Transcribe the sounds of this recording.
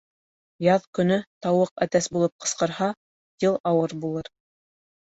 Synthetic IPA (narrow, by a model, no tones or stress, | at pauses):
jɑðkɵ̆nɵt̪ɑwɤqæt̪æsbulˠɤp̚qɤ̆sqɤ̆ɾhɑ | d̪ilˠɑwɤɾbulˠɤɾ